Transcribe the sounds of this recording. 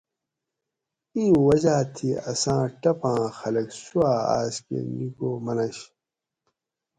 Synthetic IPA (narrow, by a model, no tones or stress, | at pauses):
ĩːwɐd͡ʑaːt̪ʰiɐsãːʈɐpãːxɐlɐksuaːa̰ːskḛnikoːmɐnɐɕ